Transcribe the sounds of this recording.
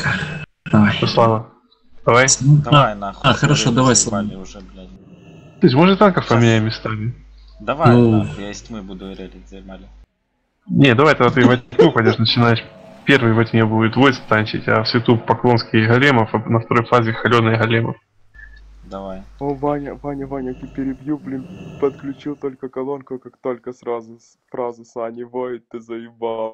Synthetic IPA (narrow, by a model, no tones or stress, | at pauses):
slˠavə | d̪̥ɐvajaaxəɾɐʂod̪ɐvajslˠ | t̪ojs̬ʲmoʐɨt̪ʲt̪ankəfpəmʲɪnʲæjɪmʲːɪst̪amʲɪ | d̪ | nʲed̪ɐvajt̪ɐɡd̪at̪ɨvɐtʲɪtnʲuxodʲoʂnət͡ɕɪnajɪʂpʲervɨjvɐt̪ʲnʲebuɪt̪vojɪst̪anʲt͡ɕɪ̰tʲɐ̰fsvʲɪt̪upɐklˠo̞nskʲɪjɦɐlʲeməfɐnəft̪ɐɾo̞jfazʲɪxɐlʲod̪nɨjɦɐlʲemə̰f | d̪ɐvajovanʲɐvanʲɐvanʲɐt̪ʲɪpʲɪɾʲɪbjuplʲɪnpət̪klʲʉt͡ɕilˠt̪olʲkəkɐlˠonkʊkakt̪olʲkəsɾazʊsfɾazʊsanʲɪvojɪt̪ːɨzɐjɪba